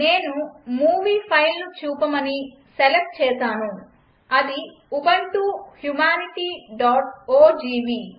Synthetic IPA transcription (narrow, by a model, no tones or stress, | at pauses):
neːnumuːʋiːpʰɐjlnut͡ʃuːpɐmɐni | selep̚ʈ̚t͡ʃɛːtaːnu | ɐd̪i | ubɐnɳʈ̪uːhjumaːniʈiːɖɔːʈoːd͡ʒiːʋiː